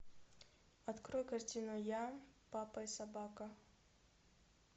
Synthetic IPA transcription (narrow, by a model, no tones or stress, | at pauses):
ɐt̪kɾojkɐrtʲinʊjapapɐisɐbakɐ